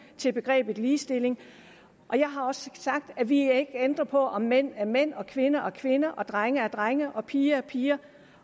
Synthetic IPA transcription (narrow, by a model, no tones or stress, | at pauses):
t͡sʰe̝b̥e̝ɡ̥ʁɛ̰ːb̥ð̩ˠliːsd̥e̝le̝ŋ | ʔɒ̽jɑ̈ɪɦɑ̈ɒ̽ssɑ̈ɡ̥̚d̥æʋie̝ɡ̥end̥ʁɐpʰɒ̽ʔɒ̽mːen̰æɐmen̰ɒ̽kʰʋe̝nɐʔɒ̽kʰʋe̝nɐʔɒ̽d̥ʁaŋɐæɐd̥ʁaŋəʔɒ̽pʰiːɐæpʰiːɐ